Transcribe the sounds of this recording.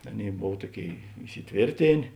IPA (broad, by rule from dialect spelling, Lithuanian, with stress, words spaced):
ˈɑːˌnʲeːɪ ˈboːw ˈtuɔˌkʲeːɪ ɪsʲɪˈtʲʋʲeːrʲtʲeːnʲeː